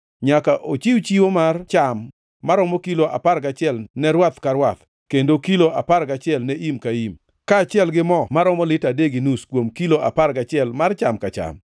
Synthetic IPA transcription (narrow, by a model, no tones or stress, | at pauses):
ɲakaʔot͡ʃiwt͡ʃiwomart͡ʃamː | aɾɔmɔkiloʔa̰paɾkat͡ʃɪɛlnɛɾwat̪kaɾwat̪ | kendokiloʔapaɾkat͡ʃɪɛlnɛimkaim | kaːt͡ʃɪɛlɡɪmɔmaɾɔmɔlɪtadeɡɪnuskwomkiloʔapaɾɡat͡ʃɪɛlmart͡ʃamkat͡ʃa̰m